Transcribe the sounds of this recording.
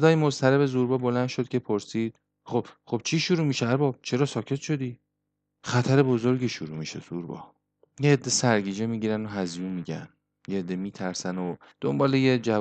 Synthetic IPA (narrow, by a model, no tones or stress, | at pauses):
sed̪ɒːjemost̪ʰæɾebe̞zuɾbɒːbo̞lænʃo̞d̪̚cʰʲe̞pʰo̞ɾsiːd̪̥̚ | χo̞b̥χo̞b̥̚t͡ʃʰiːʃuɾuːmiʃeæɾbɒːb̥̚t͡ʃʰe̞ɾɒːsɒːcʰe̞t̪ʃo̞d̪iː | χæt̪ʰæɾe̞bo̞zo̞ɾɟiːʃuɾuːmiʃe̞̰z̥ṵɾbɒ̰ː | jeːd̪ːe̞sæɾɟiːd͡ʒemiːɟiːɾænd̪oɦæzijuːnmiɟæ̰n | jeed̪ːe̞miːt̪ʰæɾsæno | d̪̥ombɒːlejed͡ʒæ